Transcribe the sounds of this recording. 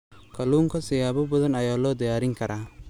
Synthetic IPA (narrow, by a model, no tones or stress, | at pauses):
kʰɐluːŋkʰɐsɪjaːbɐbɔðɐnɐjaːlɔːd̪ɪjaːɾɪŋkʰɐɾʔaː